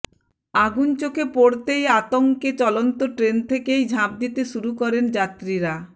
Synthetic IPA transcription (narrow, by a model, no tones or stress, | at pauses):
aɡunt͡ɕokʰepoɽt̪ejat̪oŋket͡ɕɔlont̪oʈɾent̪ʰekejd͡ʑʱab̚d̪it̪eʃuɾukɔɾend͡ʑat̪ːɾiɾa